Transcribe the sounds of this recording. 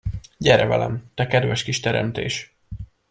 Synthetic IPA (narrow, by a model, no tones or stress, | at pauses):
ɟɛɾɛvɛ̰lɛ̰mt̪ɛkɛd̪vɛʃkiʃt̪ɛɾɛ̰mt̪ḛːʃ